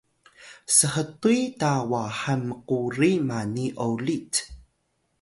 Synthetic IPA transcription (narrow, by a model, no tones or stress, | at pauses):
səɦətujtawaħəməquɾimaniʔolit